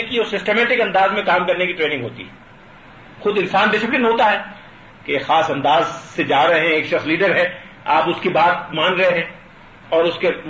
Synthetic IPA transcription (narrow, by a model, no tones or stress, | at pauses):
kiosɪsʈeːmɛːʈɪkɐ̃nd̪aːzmẽkaːmkɐɾnekiʈɾeːnɪ̃ŋɡɦo̰ːt̪ḭɦɛ | xʊd̪ɪ̃nsaːnɖɪsɪplɪənɦoːt̪aɦɛː | kexaːsɐ̃nd̪aːzsed͡ʒaːɾɐɦeɦɛ̃eːkʃɐxsliːɖəɾɦɛ̃ː | aːpʊskibaːt̪̚maːnɾɐɦeɦɛ̃ː | ɔːɾʊske